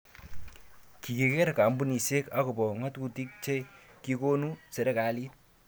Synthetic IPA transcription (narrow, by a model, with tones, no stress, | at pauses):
ki˨ke˨ke˦ɾka˨mbu˦ni˨se˦ka˦ko˨bɔ˨ŋɐ˦t̪ku˦ti˦k̚t͡ʃe˦ki˦ko˦nuse˨ɾe˦ka˨li˦